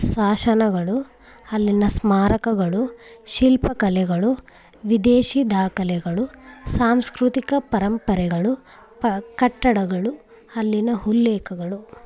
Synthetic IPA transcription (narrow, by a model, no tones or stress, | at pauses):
saːʃɐnɐɡɐɭu | ɐlːinɐsmaːɾɐkɐɡɐɭuʃilpɐkɐlɛɡɐɭu | ʋid̪eːʃid̪aːkɐlɛɡɐɭusaːmskɾut̪ikɐpɐɾɐmpɐɾɛɡɐɭu | kɐʈːɐɽɐɡɐɭu | ɐlːinɐɦulːɛːkɐɡɐɭu